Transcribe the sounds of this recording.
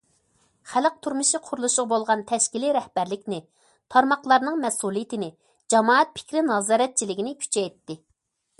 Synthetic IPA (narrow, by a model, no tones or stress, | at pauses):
χæləq̚t̪ʰuɾmɨʃiqʰʊɾulˠuʃʊʁbolˠʁɑnt̪ʰɛʃkʲiliɾɛhb̥æɾlɪkʲnɪ | t̪ʰɑɾmɑχlˠɑɾnɨŋmɛsulˠijɪt̪ɪnɪ | d͡ʒɑmɑːɛt̪̚pʰɪ̥kʲɾɪnɑzɑːɾɛt̪̚t͡ʃʰilɪɡʲinɪkʲʰy̥t͡ʃʰɛjt̪ːɪ